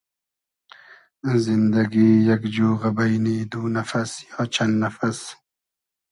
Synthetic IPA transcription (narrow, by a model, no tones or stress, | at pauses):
zɪnd̪aɡijakd͡ʒuːɣabajnid̪unafasjɑːt͡ʃʰand̪nafas